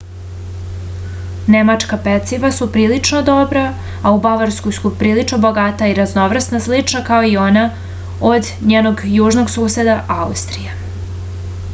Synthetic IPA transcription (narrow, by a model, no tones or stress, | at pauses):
ne̞mat͡ʂkapet̪siʋasupɾiːlit͡ʂnod̪o̞bɾaː | ubaʋaɾskojsupɾiːlit͡ʂnoboɡat̪aiɾazno̞ʋr̩snaslit͡ʃnakao̞io̞na | od̪ | ɲeːno̞ɡjuːʒno̞ɡsuːse̞d̪aʔaust̪ɾije